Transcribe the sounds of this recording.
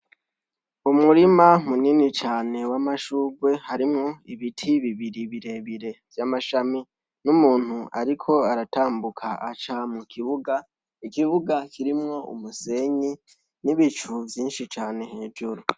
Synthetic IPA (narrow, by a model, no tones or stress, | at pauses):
umuɾimamuninit͡ʃaːne̞wamaʃuːɡwe̞haɾimŋo̞iβitʰiβiβiɾiβiɾe̞βiɾe̞vjamaʃami | numuːn̥huaɾikʰo̞aɾataːmbukʰaʔat͡ʃamukʰiβuɡa | ikiβuɡakʰiɾimŋo̞ṵmuse̞ɲi | niβit͡ʃuvjiːnʃit͡ʃaːne̞heːd͡ʒuɾu